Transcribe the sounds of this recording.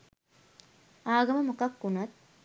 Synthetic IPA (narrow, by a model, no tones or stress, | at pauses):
aːɡɐmɐmɐkɐkːunɐt̪̚